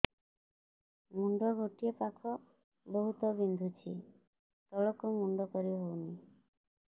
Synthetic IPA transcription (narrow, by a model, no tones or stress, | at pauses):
muɳɖɔɡoʈiepakʰɔ | boɦut̪ɔbind̪ʱut͡ʃʰi | t̪ɔlɔkumuɳɖɔkɔɾiɦowni